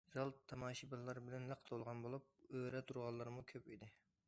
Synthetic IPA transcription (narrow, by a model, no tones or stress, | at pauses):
zɑlˠt̪ʰːɑmɑːʃibɑlˠɑɾbɪlɛnləqʰt̪ʰolˠʁɑnbolˠup̚øɾɛt̪ʰuɾʁɑlˠːɑɾmukʲʰøpid̪ɪ